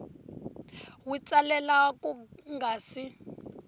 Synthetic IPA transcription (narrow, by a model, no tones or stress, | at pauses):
wit͡salɛlakʼuŋɡʱaːsi